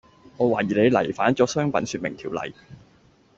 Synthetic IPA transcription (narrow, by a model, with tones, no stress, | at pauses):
ŋɔː˨˧waː˨˩jiː˨˩le˨˧jlɐ̰˨˩jfaː˨˥nt͡sɔː˨˥sœː˥ŋpɐ˨˥nsyː˧t̚mɪ˨˩ŋt̪ʰiː˨˩wlɐ̰˨˩j